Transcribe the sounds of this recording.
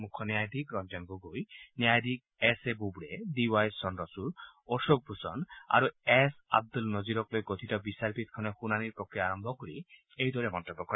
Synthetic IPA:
mukʰːɔnjajd̪ʱikɾɔnd͡ʒɔŋɡoɡojnjajd̪ʱik̚ | esebubɽed̪iwajsɔnɾɔsuɾɔʃok̚bʱusɔ̰na̰ɾuesa̰b̚d̪ulnɔd͡ʒiɾɔklojɡot̪ʰit̪ɔbisaɾpit̪ɔ̥kʰɔnexunaniɾpɔkʰːeaɾɔmbʱɔkɔɾi | ejd̪ʱɔɾemɔnt̪ɔbːɔkɔɾ

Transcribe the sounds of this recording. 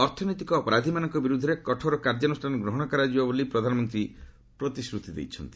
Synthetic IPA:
ɔɾt̪ʰɔnojt̪ikɔːpɔɾad̪ʱimanɔŋkɔbiɾud̪ʱɔɾekɔʈʰɔɾɔkaɾd͡ʒɔnusʈʰanɔɡɾoɦɔɽ̃ɔkaɾad͡ʒibabolipɾɔd̪ʱanɔmɔnt̪ɾi | pɾot̪isɾut̪id̪ḛjt͡ʃʰɔnt̪i̥

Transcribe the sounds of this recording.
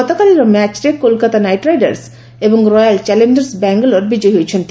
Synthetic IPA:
ɔt̪akaliɾomɛt͡ɕɾekolkat̪anajʈɾajɖa̰ɾs | eboŋɾɔjalt͡ɕɛlend͡ʒeɾsbɛŋɡoloɾbid͡ʑɔjɦojet͡ɕʰent̪

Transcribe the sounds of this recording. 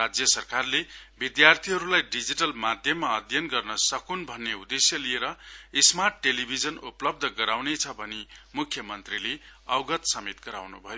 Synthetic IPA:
rad͡zjʌsʌrkarlebid̪jart̪ʰiɦʌɾulajɖid͡ziʈʌlmad̪ʱjʌmːaʌd̪ʱjʌnɡʌrnʌsʌkunbʱʌnːeud̪esjʌlieɾʌismarʈːelibʱid͡zʌnuplʌb̚d̪ʱʌɡʌɾawnet͡sʰʌbʱʌnemukʰːjʌmʌnt̪rileʌwɡʌt̪sʌmet̪ɡʌɾawnṵbʱʌjo

